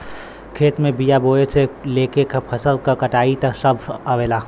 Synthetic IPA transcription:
kʰeːt̪mẽbijaboːet͡ʃʰeleːkekapʰəsəlkakəʈaːit̪ɐsəbʱəʋeːlaː

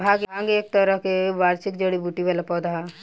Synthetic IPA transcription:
bʱaːɡʱaŋɡeːk̚t̪əɾəɦkeʋaːɾsikd͡ʒəɽibuʈiʋalapɔːd̪aɦa

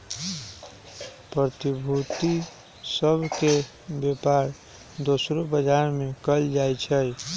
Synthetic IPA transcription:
pɾət̪ibʱut̪i | səbʱke | bjepaɾ | d̪osɾobəd͡ʒaɾmekəld͡ʒajt͡ʃʰəj

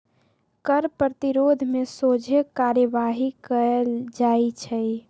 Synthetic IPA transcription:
kəɾpɾət̪iɾod̪ʱmesod͡ʒʱekaɾjəʋaɦikəeld͡ʒait͡ʃʰɛj

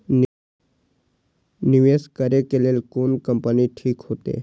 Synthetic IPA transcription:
nɪʋeːskəɾekeleːlkoːnkəmpəniʈʰiːkɦoːt̪ḛː

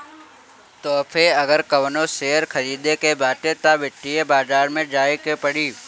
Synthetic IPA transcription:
t̪oːfʰeːɐɡəɾkəʋənoːseːəɾkʰəɾiːd̪ekebaːʈ̪et̪aʋɪʈːiebaːzaːɾmẽd͡ʒaːikepəɽiː

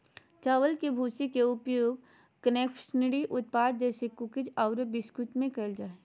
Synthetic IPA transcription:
t͡ʃaːʋəlkebʱuːsikeʊpjoːɡ | kəneːkʃənɪɽiʔʊt̪̚paːd̪̚d͡ʒɛːsekʊkɪd͡ʒaʊɾəbɪskʊt̪mẽkɐld͡ʒaːe

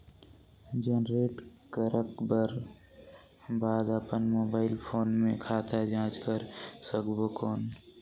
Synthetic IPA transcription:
d͡ʒeːnɾeːʈkəɾʔəkbəɾ | baːd̪əpənmoːbaːɪlpʰoːnmẽkʰaːt̪ad͡ʒãːt͡ʃkəɾsəkbokoːn

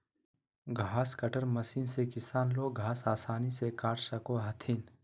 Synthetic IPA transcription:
ɡʱaːskɐʈəɾmɐsiːnsekɪsaːnloːɡʱaːsaːsaːnisekaːʈsɐkoɦɐt̪ʰiːn

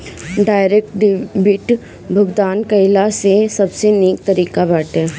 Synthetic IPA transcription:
ɖaːɪɾeːk̚ʈɖbɪʈ | bʱʊɡd̪aːnkɐɪlasesɐbseneːk̚t̪ɐɾiːkabəʈɦɛː

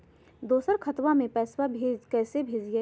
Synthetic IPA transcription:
d̪oːsəɾkʰɐt̪wamẽpɛːswabʱekɛːsebʱeːd͡ʒije

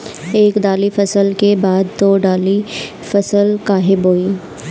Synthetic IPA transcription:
eːkɖ̪aːlifɐsəlkebaːd̪ːoːɖaːli | fɐsəlkaːɦeboːiː

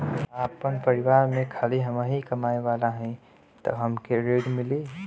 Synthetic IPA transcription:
aːpːənpɐɾɪʋaːɾmẽkʰaːliɦɐmaːɦikɐmaːeʋaːlaɦɛ̃ | t̪ɐ̰bɦɐmkeɾeːɖmɪleː

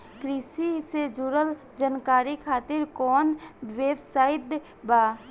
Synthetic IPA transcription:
kɾiːsised͡ʒuɾəl | d͡ʒənkaːɾikʰaːt̪ɪɾkɔːnʋeːbsaːɪd̪ | baː

